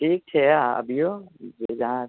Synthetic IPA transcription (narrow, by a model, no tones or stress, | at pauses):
ʈʰiːk̚t͡ʃʰɛaɐ̰bʱijod͡ʒed͡ʒɐɦã